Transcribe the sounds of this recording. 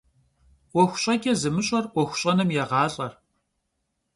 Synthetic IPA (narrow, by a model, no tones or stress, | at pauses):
wɔxʷʊ̥ɕʼɐɡʲɛzɨmɨɕʼɐrwʷɔxʷʊ̥ɕʼɐnɐmjɛʁɑːɬʼɐr